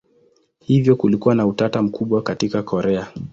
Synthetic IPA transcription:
hivjɔkulikuwanautatam̩kuɓwakatikakʰɔɾɛa

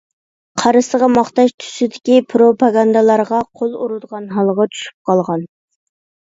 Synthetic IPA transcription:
qʰɑɾɨsəʁɑmɑχt̪ɑʃt̪ʰy̥sɪd̪ɪkʲipʰɾopɑɡɑnd̪əlˠɑɾʁɑqʰolˠuɾud̪əʁɑnɦɑlˠʁɑt͡ʃ̪ʰy̥ʃy̥p̚qʰɑlˠʁɑn

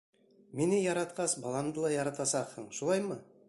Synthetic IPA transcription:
menɘjɑɾɑt̪qɑsbɑlˠɑmd̪ɤlˠɑjɑɾɑt̪ɑsɑqhɤɴʃulˠɑjmɤ

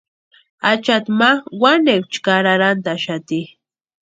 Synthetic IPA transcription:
at͡ʃat̪mawanekʷt͡ʃkaɾaɾant̪aʃat̪i

